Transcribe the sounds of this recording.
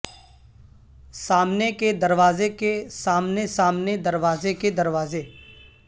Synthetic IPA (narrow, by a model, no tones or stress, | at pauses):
saːmneked̪əɾʋaːzekesaːmnesaːmned̪əɾʋaːzeked̪əɾʋaːze